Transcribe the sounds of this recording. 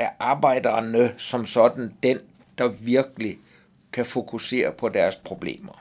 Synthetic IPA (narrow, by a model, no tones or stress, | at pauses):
æɐʔɑ̈ːb̥ɑ̈ɪ̰d̥ɐnəsɒ̽msɒ̽d̥n̩d̥en | d̥ɑ̈ʋiɐɡ̥əli | kʰæfo̝kʰuse̝̰ːɐpʰɒ̽d̥æɐspʰʁo̝b̥le̝̰ːmɐ